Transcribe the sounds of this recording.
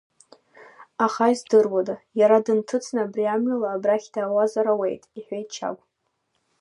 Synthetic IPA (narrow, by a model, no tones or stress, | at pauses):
aχaizdɨrwadajaɾadɨntʰɨt͡sʰnaːbriamɥalaːbraχʲdaːwazaɾawe̞jtʼiħʷejt̚ʰʼt͡ʃʰa̰kʷʼ